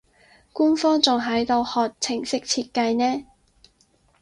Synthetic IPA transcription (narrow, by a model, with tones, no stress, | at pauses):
kuː˥nfɔː˥ŋt͡sʊ˨ŋɦɐ˨˥jt̪o˧whɔː˨k̚t͡sʰɪ˨˩ŋsɪ˥k̚t͡sʰiː˧t̚kɐ˧jnɛː˥